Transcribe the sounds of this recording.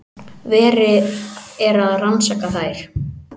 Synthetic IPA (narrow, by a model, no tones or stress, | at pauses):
vɛːɾɪ | ɛɾaðransaːkaθaːjɾ̥